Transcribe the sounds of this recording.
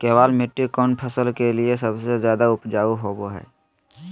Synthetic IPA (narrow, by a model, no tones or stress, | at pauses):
kɛːʋaːlmɪʈːikoːnpʰəsəlkelies̬əbsezjaːd̪aʊpd͡ʒaːuɦoːboɦɛ̰ː